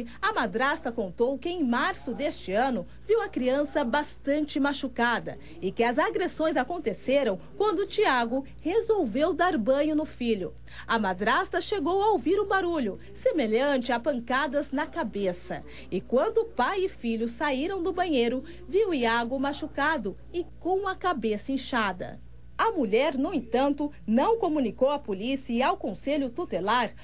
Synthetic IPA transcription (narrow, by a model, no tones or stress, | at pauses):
ɐmad̪ɾast̪ɐkõnt̪owkɪẽj̃maɾsʊd̪est͡ʃɪɐ̃nʊ | viwɐkɾiɐ̃sɐbast̪ɐ̃nt͡ʃɪmaʃukad̪ɐ̰ | ɪkɪɐzaɡɾesõj̃zakõnt̪eseɾɐ̃w̃kwɐ̃nd̪ʊt͡ʃiaɡʊ | hezowvewd̪aɾbɐ̃ɲʊnʊfiʎʊ | ɐmad̪ɾast̪ɐʃeɡowɐowviɾʊbaɾuʎʊ | semeʎɐ̃nt͡ʃɪapɐ̃ŋkad̪ɐznɐkabesɐ̰ | ɪkwɐ̃nd̪ʊpajɪfiʎʊsaiɾɐ̃w̃d̪ʊbɐ̃ɲejɾʊ | viwiaɡʊmaʃukad̪ʊ | ɪkõw̃ɐkabesɐẽʃad̪ɐ̰ | ɐmuʎɛɾnʊẽt̪ɐ̃nt̪ʊ | nɐ̃w̃komũnikowɐpolisiɐiawkõseʎʊt̪ut̪elaɾ